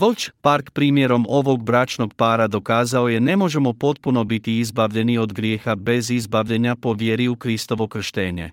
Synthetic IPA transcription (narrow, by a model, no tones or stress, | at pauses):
ʋolt͡ʃpaɾkpɾiːmjeɾo̞mo̞ʋo̞ɡ̚bɾaːt͡ʃno̞ɡpaːɾad̪o̞kaːzao̞jenemo̞ʒe̞mo̞po̞t̪̚puno̞bit̪iizbaʋʎe̞nio̞d̪ɡɾjeːxabe̞zizbaʋʎe̞ɲapo̞ʋjeːɾiukɾist̪o̞ʋo̞kr̩ʃt̪eːɲe̞̰